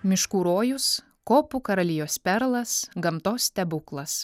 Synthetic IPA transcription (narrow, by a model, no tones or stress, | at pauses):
mʲɪʃkuːɾoːjʊs | koːpukɐɾɐlʲɪjoːspʲɛɾlˠɐsɡɐmt̪oːst̪ʲɛbʊklˠɐs